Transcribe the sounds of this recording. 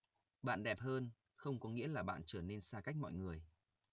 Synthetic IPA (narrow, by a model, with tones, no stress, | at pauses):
ɓa̰ː˧˨nɗɛ˨˩p̚həː˧n | xə˧wŋ͡mkɔ˨˦ŋḭ˧˥əlaː˨˩ɓa̰ː˧˨nt͡ɕəː˧˩ne˧nsaː˧ka˦˥jk̟̚mɔ̰˧˨jŋɨ˨˩əj